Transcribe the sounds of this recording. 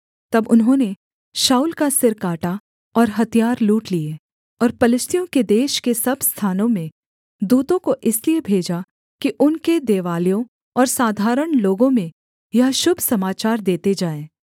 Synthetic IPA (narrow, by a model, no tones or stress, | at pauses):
t̪ɐbʊnɦõːne | ʃaːuːlkasɪɾkaːʈa | ɔːɾɦɐt̪ijaːɾluːʈlie | ɔːɾpɐlɪʃt̪ʰijõked̪eːʃkesɐbʱst̪ʰaːnõmẽ | d̪uːt̪õkoʔɪsliebʱeːd͡ʒa | kiʔʊnked̪eːʋaːlijõ | ɔːɾsaːd̪ʱaːɾəɽ̃loːɡõmẽ | jɐɦʃʊbʱsɐmaːt͡ʃaːɾd̪eːt̪ed͡ʒaːẽː